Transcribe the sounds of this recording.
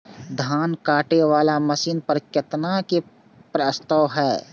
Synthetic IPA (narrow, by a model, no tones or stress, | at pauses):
d̪ʱaːnkaːʈeʋaːlamɐsiːnpɐɾkjɐt̪nake | pɾəst̪aːwɦɛː